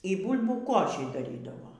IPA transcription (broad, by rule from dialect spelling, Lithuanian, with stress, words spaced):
iː ˈbuːlʲbʲuː ˈkoːʃʲiː dɐˈrʲiːdɐʋoː